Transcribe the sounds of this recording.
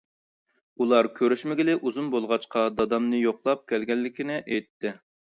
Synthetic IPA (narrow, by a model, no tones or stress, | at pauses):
ulˠɑɾkʲʰøɾyʃmɪɡʲɪlɪʔuzumbolˠʁɑt͡ʃqʰɑd̪ɑd̪ɑmnɨjoqlˠɑp̚kʲʰɛlɡʲɛlːɪkʲinɪʔɛjt̪ʰːɪ